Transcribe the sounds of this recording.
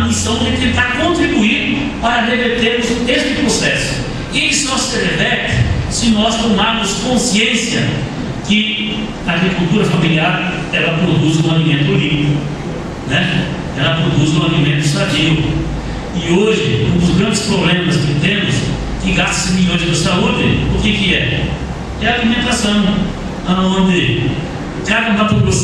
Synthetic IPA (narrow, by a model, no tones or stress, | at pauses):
ɐmisɐ̃w̃d͡ʒɪt̪ẽnt̪aɾkõnt̪ɾibuiɾ | paɾɐɦeveɾt̪eɾmʊzʊ̃t̪ezmʊpɾosɛsʊ̥ | ɪsnɔsedevɛt̪ʊ̥sɪnɔst̪omaɾmʊskõsiẽsiɐ | kɪ | aːɡɾikult̪uɾɐfabiliadɐ | ɛlɐpɾod̪uzũalimẽnt̪olĩnikʊ | nɛ | ɛlɐpɾod̪uzũalimẽnt̪ʊist̪at͡ʃivʊ̰ | ɪoʒɪ̰ũnd̪ʊzɡɾɐ̃d͡ʒ̪ɪspɾoblẽmɐskɪt̪ẽmʊs | kɪɡast̪ɐ̥sɪ̃miʎõj̃d͡ʒɪnʊɪst̪audɪʊkɪkɪɛ | ɛɐalimẽnt̪asɐ̃w̃ | aõnd̪ɪ | kad̪ɐmapɾod̪u